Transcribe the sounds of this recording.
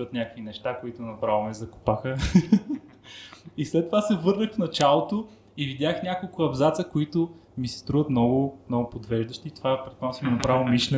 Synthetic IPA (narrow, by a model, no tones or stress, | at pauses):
ət̪nʲakəkvinɛʃt̪akoit̪ʊnɐpɾavomɛzɐkʊ̥paxə | islɛt̪ːovasɛvɤɾnəxfnɐt͡ʃalˠot̪o | ivid̪ʲaxnʲakolˠkʊɐbzat̪səkoit̪ʊmisɛ̥st̪ɾuvət̪mnɔɡʊnɔɡʊpod̪vɛʒd̪ɐʃt̪it̪ovapɾɛt̪mɔmsimɛnɐpɾavomiʃlʲɛ